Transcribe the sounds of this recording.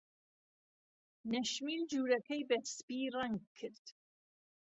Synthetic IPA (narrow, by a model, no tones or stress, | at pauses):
nɐʃmiːld͡ʒuːɾɐkʰɛjbɛspiraŋɡ̚kʰːɨɾd̪̥